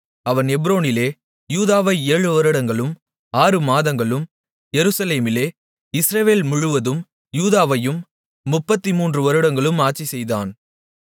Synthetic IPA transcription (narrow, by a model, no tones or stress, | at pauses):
ɐʋɐnɛbɾoːnɪleː | juːðaːʋɐɪeːɻɯʋɐɾɯɽɐŋɡɐɭɯm | aːɾɯmaːðɐŋɡɐɭɯm | jɛɾɯsɐleːmɪleː | ɪsɾɐʋeːlmʊɻɯʋɐðɯm | juːðaːʋɐjɯmː | ʊpːɐt̪ːimuːndrɯʋɐɾɯɽɐŋɡɐɭɯmaːʈt͡ʃːisɛjða̰ːn